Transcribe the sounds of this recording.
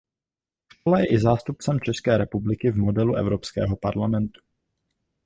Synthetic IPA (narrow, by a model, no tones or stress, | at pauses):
ʃkolajɛʔɪzaːst̪up̚t͡sɛmt͡ʃɛskɛːɾɛpublɪkɪvmodɛluʔɛ̰vɾo̞pskɛ̰ːɦo̞paɾlamɛnt̪u̥